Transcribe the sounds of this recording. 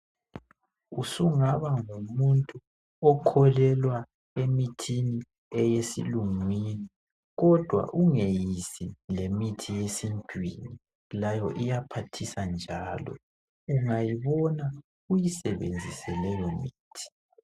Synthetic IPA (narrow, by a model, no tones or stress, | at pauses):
usuŋaβaŋumuntʼu | ɔkʰɔlɛlwa | emitʰini | ɛjesḭluŋwini | ɣɔd̥ʱwa̰ʔuŋejisilemitʰijesintʼwini | lajɔʔijapʰatʰisand͡ʒʱaːlɔ̰ | uŋajiβɔna | ujisɛβend͡zʱisɛlɛjɔmiːtʰi̥